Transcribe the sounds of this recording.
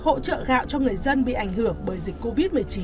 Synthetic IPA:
ho̰˧˥t͡ɕə̰ː˧˨ɣa̰ː˧˨wt͡ɕɔ˧ŋɨ˨˩əjzə˧nɓḭ˧˨ʔa˨˩jŋ̟hɨ˨˧˩əŋɓəː˨˦jzi˨˩k̟ko˧vi˦˥t̚mɨ˨˩əjt͡ɕi˨˦

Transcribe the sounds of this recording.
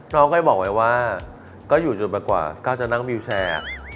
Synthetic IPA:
nɔː˦˥ŋkʰɔː˥˩jbɔː˨˩k̚wa˦jwaː˥˩ | kɔː˥˩juː˨˩t͡ɕo˨˩npa˧jkwa̰ː˨˩kɔː˥˩t͡ɕa˨˩na˥˩ŋbi˧wt͡ɕʰɛː˧˩a̰˨˩k̚

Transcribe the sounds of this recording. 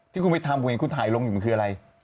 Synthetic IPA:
t̪ʰiː˥˩ku˧nma˥˩jt̪ʰaː˧m˨˧˦eː˧ŋkʰu˧nt̪ʰaː˩˦jlo˧ŋju˨˩ma˦kʰɯː˧a˧ɾa˧j

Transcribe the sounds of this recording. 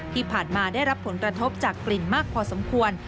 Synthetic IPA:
t̪ʰiː˥˩pʰaː˨˩nmaː˧daː˥˩jɾa˦˥pʰːo˩˦nkɾa˧t̪ʰo˦˥p̚t͡ɕaː˨˩kːli˨˩nmaː˥˩k̚pʰɔː˧so˩˦mkʰu˧ən

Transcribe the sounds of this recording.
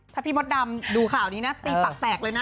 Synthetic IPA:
t̪ʰa˧˩piː˧˥˩mo˦˥t̪̚da˧mduː˧kʰaː˨˩wniː˦˥na˦˥t̪iː˧pa˨k̚t̪ɛː˨˩k̚lɤː˧jna˦˥

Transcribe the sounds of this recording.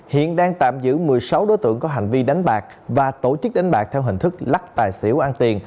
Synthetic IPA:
hḭ˧˨ənɗaː˧ŋt̪a̰ː˧˨mzɨ̰˧˥mɨ˨˩əjsa˨˦wɗo˨˦jt̪ɨ̰˧˨əŋkɔ˨˦ɦa̰˨˧˩jŋ̟vi˧ɗa˨˦jŋ̟ɓaː˨˩k̚ | vaː˨˩t̪o˧˩t͡ɕɨ˦˥k̚ɗa˨˦ŋɓaː˨˩k̚t̪ʰɛ˧wɦï˨˩ŋ̟t̪ʰɨ˦˥k̚la˦˥k̚t̪aː˨˩jsḭ˧˩əwʔaː˧nt̪i˨˩ən

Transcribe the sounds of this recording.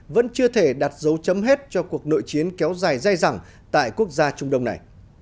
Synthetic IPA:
və̰˧˥nt͡ɕɨ˧ət̪ʰe˧˩ɗaː˨˩t̚zə˨˦wt͡ɕə˨˦mɦe˦˥t̚t͡ɕɔ˧ku˨˩ək̚no̰˧˨jt͡ɕi˨˦ənkɛ˨˦wzaː˨˩jza˧jza˨˩ŋ | t̪a̰ː˧˨jku˦˥ək̚zaː˧t͡ɕʊ˧ŋ͡mɗə˧wŋ͡mna˨˩j

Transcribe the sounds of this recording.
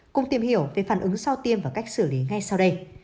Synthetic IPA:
kʊ˧˨ŋ͡mt̪i˨˩əmhi˧˩əwve˨˩faː˧˩nʔɨ˨˦ŋsa˧wt̪i˧əmvaː˧˩ka˦˥jk̟̚sɨ̰˧˩li˨˦ŋa˧jsa˧wɗə˧j

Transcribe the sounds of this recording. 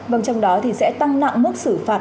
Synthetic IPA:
və˨˩nt͡ɕɔ˧wŋ͡mɗɔ˨˦t̪ʰi˨˩sɛ̰˧˥t̪a˧ŋna̰˧˨ŋ͡mmu˦˥t̚sɨ˧˩faː˨˩t̚

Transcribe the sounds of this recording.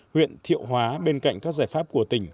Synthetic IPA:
hwḭ˧˨ənt̪ʰḭ˧˨əwɦwaː˨˦ɓe˧nka̰˧˨jŋ̟kaː˦˥k̚zaː˧˩jfaː˦˥p̚ku˧˩ət̪ï˧˩ŋ̟

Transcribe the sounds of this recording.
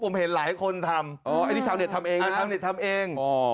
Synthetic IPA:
pʰo˨˩˦mhe˨˩˦nlaː˩˦jkʰo˧nt̪ʰa˧mʔɔː˧˩ʔa˧jniː˧˥˩aː˨˦ni˧˩t̪ʰa˧mʔeː˧a˧˥˩a˧wni˨˩t̪ʰa˧mʔeː˧ŋɔː˧˩

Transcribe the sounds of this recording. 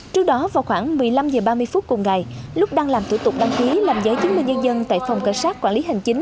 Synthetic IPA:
t͡ɕɨ˦˥ək̚ɗɔ˨˦vaː˨˩wxwaː˧˩ŋmɨ˨˩əjla˧mzəː˨˩ɓaː˧mɨ˧əjfu˦˥t̚kʊ˨˩ŋ͡mŋa˨˩jlʊ˦˥k͡p̚ɗaː˧ŋlaː˨˩mt̪ʰu˧˩t̪ʊ˨˩k͡p̚ɗa˧ŋki˨˦laː˨˩mzəː˨˦jt͡ɕɨ˨˦nmï̟˧˩ɲə˧nzə˧nt̪a̰ː˧˨jfɔ˨˩wŋ͡mkaː˧˩saː˦˥t̚kaː˧˩nli˨˦ɦï˨˩ŋ̟t͡ɕï˨˦ŋ̟

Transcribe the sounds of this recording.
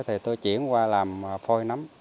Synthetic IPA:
jt̪ʰi˨˩t̪o˧jt͡ɕḭ˧˥˨ənkwaː˧laː˨˩mfo˧jna˨˦m

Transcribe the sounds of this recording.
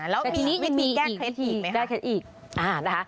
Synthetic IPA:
lɛː˦˥w̪ːi˧niː˦˥ma˧miː˧˨ɛː˥˩iː˨˩e˦˥˦t̪ʰiː˧˨˩ma˦kɛː˥˩kʰe˦˥t̪̚ʔiː˨˩k̚ | ʔaː˨˩na˦˥kʰa˦˥

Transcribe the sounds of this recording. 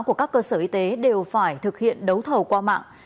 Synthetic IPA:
ku˧˩əkaː˦˥kːəː˧səː˧˩ʔi˧t̪e˨˦ɗe˨˩wfaː˧˩jt̪ʰɨ˨˩k̚hḭ˧˨ənɗə˨˦wt̪ʰə˨˩wkwaː˧ma̰ː˧˨ŋ

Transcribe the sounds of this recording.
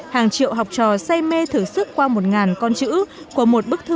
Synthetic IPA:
haː˨˩ŋt͡ɕḭ˧˨əwɦa˨˩wk͡p̚t͡ɕɔ˨˩sa˧jme˧t̪ʰɨ˧˩sɨ˦˥kkwaː˧mo˨˩t̚ŋaː˨˩nkɔ˧nt͡ɕɨ̰˧˥ | ku˧˩əmo˨˩t̚ɓɨ˦˥k̚t̪ʰɨ˧

